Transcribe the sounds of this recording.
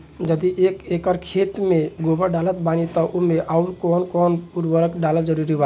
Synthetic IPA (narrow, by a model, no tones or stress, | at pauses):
d͡ʒəd̪iʔekekəɾkʰet̪meɡobəɖalət̪banit̪ɔʔumeʔauɾkɔnkɔnuɾbəɾəkɖaləld͡ʒəɾuɾiba